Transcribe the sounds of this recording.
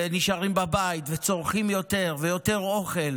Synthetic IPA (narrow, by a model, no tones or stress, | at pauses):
niʃaʁimbabait̪vet͡so̞ʁχimjo̞t̪e̞ʁvejo̞t̪e̞ʁo̞χel